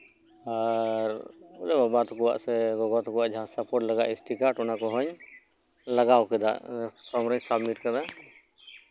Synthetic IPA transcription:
aɾɔlɛbabat̪ɔkɔwa̰ʔsɛɡɔɡɔt̪ɔkɔwaʔd͡ʒʱãsapɔɾʈlaɡaʔisʈikaʈɔnakɔɦɔɲ | laɡawkɛd̪a̰ʔpʰɾɔmɾɔɲsabmiʈkad̪a

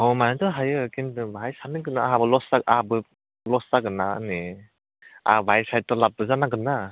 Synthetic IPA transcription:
ɔmajatɔɦajɯkintɯbʱajsanɯɡɯnaaɦabɯlɔstakahabɯ | lɔstaɡɯnaɯ̰ne | a̰bʱajsaj̚tɔlap̚ːɯzanaɡɯna

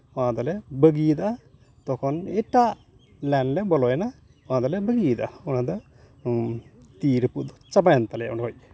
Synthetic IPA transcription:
ãd̪alɛbəɡid̪a | t̪ɔkʰɔnɛʈaʔ | lɛnlɛbɔlɔjɛna | wãd̪alɛbəɡid̪aunad̪ɔ | t̪iɾəpuʔd̪ɔt͡ʃabajant̪alɛja̰unɦɔj̚

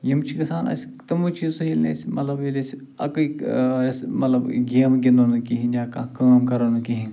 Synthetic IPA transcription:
jimt͡ʃʰikɐsaːnɐ̰s | t̪ɐmut͡ʃʰisɐilnḛsmɐt̪lɐbilesi | ɐ̰kksmɐt̪lɐbɡeːmɡʲind̪onɨkiɦĩaːkakaːmkɐɾonukiɦĩ

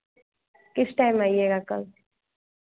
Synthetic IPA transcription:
kɪsʈajmaːjeːɡakɐl

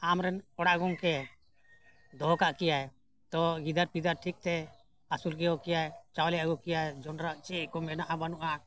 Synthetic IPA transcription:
amɾɛnɔɽaʔɡɔŋkɛ | d̪ɔɦkaʔkɛjaj | t̪ɔɡid̪aɾpid̪aɾʈʰik̚t̪ɛ | asulkɛjɔkɛjajt͡ʃawlɛaɡɔkijad͡ʒɔnɾaʔt͡ʃɛʔkɔmɛnaʔabanuʔa

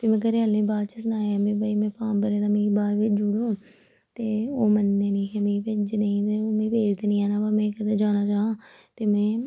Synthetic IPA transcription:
t̪eːmɛ̃ːk̬əɾealnẽːbaːɾt͡ʃəsnaːaːmẽːbaːimɛ̃ːpãːmbəɾeːd̪amẽbaːɾʋɪt͡ʃd͡ʒuɽũː | t̪eːoːmənːeːnĩːkemẽpɪd͡ʒnẽĩːt̪eːoːmẽpeːd͡ʒd̪eːnĩːɛːnaːpəmɛ̃ːkəd̪eːd͡ʒaːnaːt͡ʃaːɦãː | t̪eːmɛ̃ː

